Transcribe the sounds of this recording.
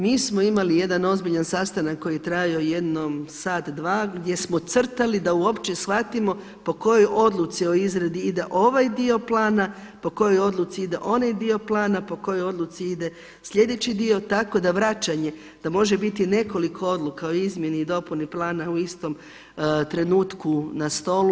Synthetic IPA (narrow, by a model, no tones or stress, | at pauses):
miːsmo̞imalije̞d̪ano̞zbiʎansast̪anakːo̞jijet̪ɾajio̞je̞d̪nomsaːt̪d̪ʋaːɡd̪ʲje̞smo̞t̪sr̩t̪alid̪auo̞pt͡ʃesxʋat̪imo̞ | po̞ko̞jojʔo̞d̪lˠut̪sio̞izɾed̪iid̪e̞ʔo̞ʋajd̪io̞plˠaːna | po̞ko̞jo̞jo̞d̪lˠut̪siid̪e̞ʔo̞najd̪io̞plˠaːnapo̞ko̞jojo̞d̪lˠut̪siid̪e̞ | sʎʲe̞d̪e̞t͡ɕid̪io̞t̪ako̞d̪aʋɾat͡ʃaɲe̞ | d̪̥amo̞ʒe̞bit̪ine̞ko̞likʰo̞o̞d̪lˠukaoizmʲje̞niid̪o̞puniplˠaːnauist̪o̞m | t̪ɾe̞nuːt̪kunast̪o̞lu